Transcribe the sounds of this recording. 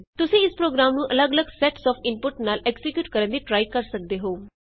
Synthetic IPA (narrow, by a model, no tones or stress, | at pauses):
t̪ʊsĩːɪspɾoːɡɾaːmnũːʔələɡələɡsɛʈsɔːfʰɪnpʊʈnaːlʔɛkzɪkjuːʈkəɾə̃nd̪iːʈɾaːikəɾsək̚d̪eːɦoː